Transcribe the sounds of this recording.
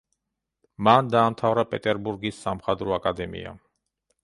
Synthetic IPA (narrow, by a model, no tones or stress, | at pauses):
mand̪aːmt̪ʰavɾapʼɛt̪ʼɛɾbuɾɡisːamχad̪ɾɔakʼad̪ɛmḭa̰